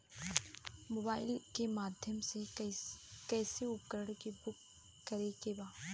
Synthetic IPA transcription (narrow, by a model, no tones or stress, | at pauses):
moːbaːɪlkemaːd̪ʱjəmse | kɛːseʊp̚kəɾəɽkibʊkː | əɾekebaː